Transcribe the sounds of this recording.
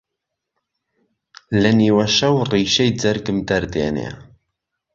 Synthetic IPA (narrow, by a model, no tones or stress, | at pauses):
lɨniːwɐʃɐwriːʃɛjd͡zɐɾɡɨmd̪ɐɾd̪ḛːnḛː